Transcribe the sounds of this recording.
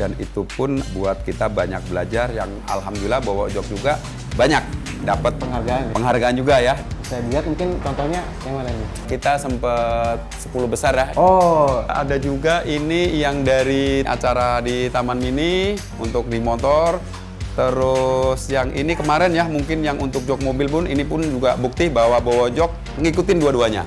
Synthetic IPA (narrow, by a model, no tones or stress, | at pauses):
danḭt̪upʊnbuat̪̚kit̪abaɲa̰k̚bəla̰d͡ʒarja̰ŋ | a̰lɦamdulilahbawao̰d͡ʒɔk̚d͡ʒuɡa | baɲak̚ | dapət̪̚pəŋɦarɡaanpəŋɦarɡaːnd͡ʒuɡajasajabiɦat̪̚muŋkɪnt͡ʃɔnt̪ɔhɲa | jaŋmanani | kit̪asəmpət̪̚sə̥pulubəsarjahoa̰dad͡ʒuɡaʔinijaŋdaɾiʔa̰t͡ʃaɾadit̪amanmini | unt̪ʊk̚dimot̪ɔr | t̪əɾʊsjaŋʔḭnikəmaɾɛnjahmuŋkɪnjaŋʔunt̪ʊk̚d͡ʒɔk̚mobɪlpʊninipʊnd͡ʒuɡabuk̚t̪ɪbawabowod͡ʒɔk̚ | əŋikut̪ɪnduaduaɲa̰